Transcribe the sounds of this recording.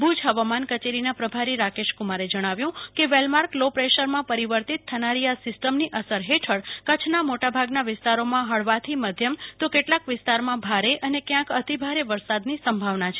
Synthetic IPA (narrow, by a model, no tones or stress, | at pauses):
bʱud͡ʒʱɦəʋamankət͡ʃeɾinapɾəbʱaɾiɾakeʃkumaɾed͡ʒəɽ̃aʋjũkeʋelmaɾklopɾeʃəɾmãpəɾiʋəɾt̪it̪ʰːənaɾiasɪsʈəmniʔəsəɾɦeʈʰəɽkət͡ʃʰnamoʈabʱaɡnaʋɪst̪aɾomãɦəɭʋat̪ʰiməd̪ʱjəmt̪okeʈlakʋɪst̪aɾmãbʱaɾeʔənekjãkət̪ibʱaɾeʋəɾsad̪nisəmbʱaʋnat͡ʃʰe